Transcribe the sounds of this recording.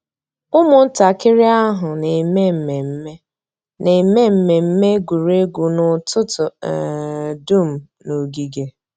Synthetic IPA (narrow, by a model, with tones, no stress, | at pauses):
ʊ˦mʊ˨n̩˦ta˨kɪ˦ɾɪ˦a˦ɦʊ˨ne˨me˦m̩˨me˨m̩˦me˦ | ne˨me˦m̩˦me˨m̩˦me˦ɡu˨ɾe˦ɡu˨nʊ˨tʊ˦tʊ˨ | du˦˨m̩˨ | no˨ɡi˨ɡe˨